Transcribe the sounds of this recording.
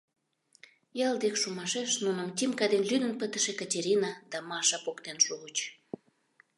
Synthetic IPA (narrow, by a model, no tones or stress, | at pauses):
jɑld̪ekʃumɑʃeʃnunəmt̪ʲimkɑd̪enlynə̆npət̪ə̥̆ʃekɑtʲeɾʲinɑd̪̥ɑmɑʃɑpokt̪enʃuɣət͡ɕ